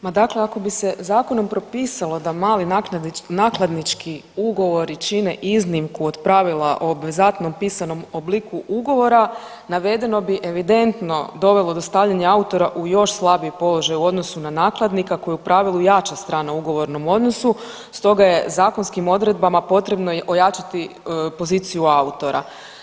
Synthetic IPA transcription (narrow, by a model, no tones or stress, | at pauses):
mad̪akleako̞bise̞zaːko̞no̞mpɾo̞piːsalˠo̞d̪amaːlinanaːklˠad̪nit͡ʃkʰiuɡo̞ʋo̞ɾit͡ʃine̞ʔiznimkuod̪pɾaʋilˠaʔobʋezat̪no̞mpiːsano̞moblˠikuʔuɡo̞ʋo̞ɾa | naʋe̞d̪e̞no̞biʔe̞ʋid̪e̞nt̪no̞d̪o̞ʋe̞lˠo̞d̪o̞st̪aːʋʎaɲaaut̪o̞ɾaʔujo̞ʃslˠabijpo̞lˠo̞ʒajuo̞d̪no̞sunanaːklˠad̪nikako̞jeupɾaʋilˠujat͡ʃast̪ɾaːnauɡo̞ʋo̞ɾno̞mo̞d̪no̞su | st̪o̞ɡaje̞zaːkonskimo̞d̪ɾe̞d̪̚bamapo̞t̪ɾe̞bnoo̞jat͡ʃat̪ipo̞ziːt̪sijuaut̪o̞ɾa̰